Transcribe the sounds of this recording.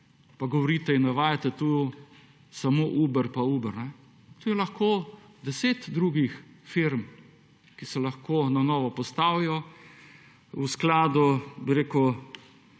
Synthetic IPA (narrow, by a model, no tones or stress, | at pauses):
paɡɔʋɔɾiːt̪ɛinːɛʋaːjat̪ɛt̪u | samoːʔuːbəɾpauːbɛɾnɛ | t̪uːjɛlɐxkoːd̪ɛseːt̪d̪ɾuːɡixfiɾm | kisɛlaɐxkoːnanɔːʋɔpɔst̪aːwijɔ | usklaːd̪ubiɾeːkəw